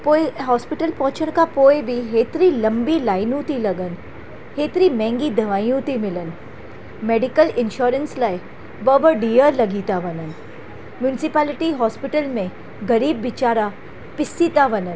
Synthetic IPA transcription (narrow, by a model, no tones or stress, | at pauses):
poːeɦɔːspɪʈəlpɔ̃ːt͡ʃəñkapoːebʱiɦeːt̪ɾilɐ̃mbilaːɪnũt̪ilɐɡən | heːt̪ɾimɛ̃ːŋɡid̪ʱɐʋaːjũt̪imɪlən | meːɖɪkəlɪ̃nʃɔːɾənslaj | bəʋəɖiːəlɐɡiːt̪aʋɐnən | mjunɪsɪpaːlɪʈiɦɔːspɪʈəlmẽ | ɡɐɾiːbːɪt͡ʃaːɾa | pɪsːiːt̪aʋɐnən